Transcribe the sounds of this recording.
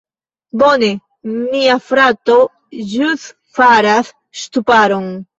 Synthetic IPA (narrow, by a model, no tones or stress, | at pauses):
bo̞ne̞ | miafɾat̪o | ʒus | faɾasː | t̪upaɾon